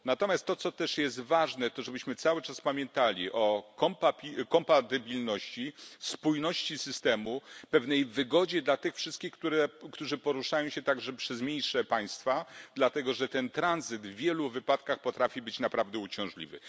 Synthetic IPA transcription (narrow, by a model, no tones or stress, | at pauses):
nat̪ɔmʲjast̪ːɔt̪sɔt̪ɛʂjɛs̬t̪vaʐnɛt̪ɔʐɛbɘɕmɘt̪sawɘt͡ʂaspamʲjɛnt̪alʲiʔɔkɔmpapʲikɔmpat̪ɨbʲilnɔɕt͡ɕispujnɔɕt͡ɕisɘst̪ɛmupɛvnɛjvɘɡɔd͡ʑɛd̪lat̪ɘxfʂɘst̪kʲixkt̪uɾɛkt̪uʐɘpɔɾuʂajɔ̃w̃ɕɛt̪aɡʐɛpʂɛzmʲjejʂɛpaj̃st̪fad̪lat̪ɛɡɔʐɛt̪ɛnt̪ɾanzɘd̪vːʲjɛluvɘpat̪kaxpɔt̪ɾafʲibɘt͡ɕnapɾavd̪ɛut͡ɕɔ̃w̃ʐlʲḭvɘ̰